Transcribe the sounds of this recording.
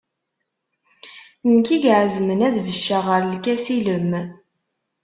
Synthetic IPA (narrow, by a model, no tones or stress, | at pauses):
nkiɡʕəzmənæðvəʃːaʁəɾlkæsiləm